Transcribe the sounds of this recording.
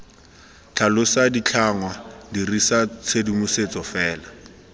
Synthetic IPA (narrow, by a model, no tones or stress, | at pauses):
t͡ɬʰalʊsadit͡ɬʰaŋwadirisat͡sʰedimuset͡sɔfɛːla